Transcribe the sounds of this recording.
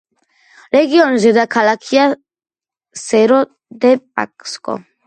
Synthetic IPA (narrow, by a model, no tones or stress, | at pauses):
ɾɛɡiɔnzɛd̪akʰalakʰia | sɛɾɔ | d̪ɛp̚ʼa̰kʼskʼɔ̰